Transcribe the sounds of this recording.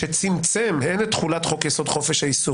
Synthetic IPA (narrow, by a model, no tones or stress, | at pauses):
et͡simt͡semhenet̪χulat̪χokesod̪χo̞feʃhajisu